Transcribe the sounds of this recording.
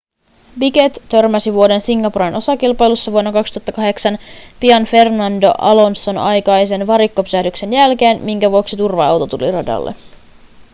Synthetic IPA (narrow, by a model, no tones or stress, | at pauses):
biɡe̞t̪t̪ø̞rmæsiʋuo̞de̞nsiŋɡɑpuɾeno̞sɑkilpɑjlusːɑʋuonːɑkɑkst̪uhɑt̪ːɑkɑɦe̞ksɑnpiɑnfe̞rnɑndo̞̰ʔɑlo̞nsːo̞nɑjkɑjse̞nʋɑɾikːopysæhdykse̞njælke̞ːnmiŋkæʋuoksit̪urʋɑɑ̰wt̪ot̪ulḭrɑdɑ̰lːʔḛ